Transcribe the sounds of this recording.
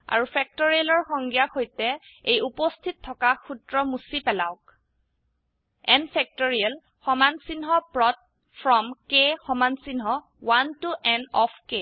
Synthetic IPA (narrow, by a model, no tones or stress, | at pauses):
a̰ɹupʰɛk̚toɹiɛlɔɹxɔŋɡijaxojtɛejupɔstʰitʰːɔkaxutɹɔmusipɛla̰wk̚ | ɛnpʰɛk̚tɔɹiɛl | xɔmansinɦɔpɹɔt̚ | fʰɹɔmkexɔmansinɦɔ | wantuʔɛnɔpʰke